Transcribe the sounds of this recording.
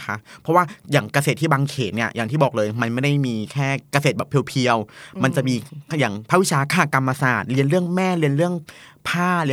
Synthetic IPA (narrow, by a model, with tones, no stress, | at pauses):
a˦˥pʰɔ˦˥waː˥˩jaː˨˩ŋka˧se˨˩t̪ʰːiː˥˩baː˧ŋkʰeː˩˦t̪̚ni˥˩ɐjaː˨˩t̪ʰiː˥˩bɔː˨˩k̚lɤː˧jma˧nma˥˩jda˥˩jmiː˧kʰɛː˥˩ka˧seː˨˩t̪̚bɛː˨˩pʰːi˧wpʰi˧əwma˧nt͡ɕa˨˩ʔmiː˧jaː˨˩ŋpʰa˦˥wi˦˥t͡ɕʰaː˧kʰaː˧˩ka˧mːa˧saː˨˩t̪̚li˧ənɾɯ˥˩əŋmɛː˥˩li˧ənɾɯ˥˩əŋpʰaː˥˩li˧